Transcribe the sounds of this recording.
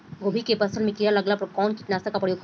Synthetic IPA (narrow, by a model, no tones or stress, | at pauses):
ɡobʱikepɐsəlmẽkijalɐɡlapkɔːnkɪʈnaːsakapɐɽjoː